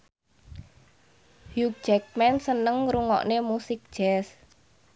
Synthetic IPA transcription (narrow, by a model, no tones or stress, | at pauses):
hjuk̚d͡ʒɛk̚mɛnsənəŋɾuŋɔ̰ʔnemusɪk̚d̥ʒ̥ɛs